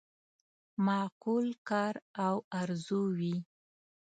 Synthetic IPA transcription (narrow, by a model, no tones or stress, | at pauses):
mɑqulkɑɾawaɾzuwi